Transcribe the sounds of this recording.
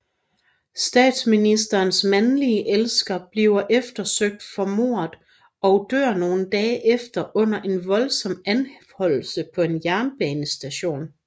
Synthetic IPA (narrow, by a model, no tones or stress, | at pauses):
sd̥ɛ̰ːd̥sminisd̥ɐːnsmænliəʔelsɡ̥ɐb̥liʊɐʔefd̥ɐsøɡ̥̚d̥fɒ̽mo̝ːɐðˠ | ɒ̽ʊd̥øɐ̰no̝ːn̩d̥ɛːʔefd̥ɐʔɔ̽n̰ɐʔe̝nʋɒ̽lsɒ̽m̰ænhɒ̽l̰l̩səpʰɒ̽e̝njæɐnb̥ɛːnəsd̥æɕo̝̰ːn